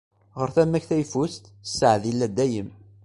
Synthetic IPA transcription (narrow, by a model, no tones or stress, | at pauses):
ʁəɾθæmːæçθæjfust̪sːəʕðilːæd̪ːæjəm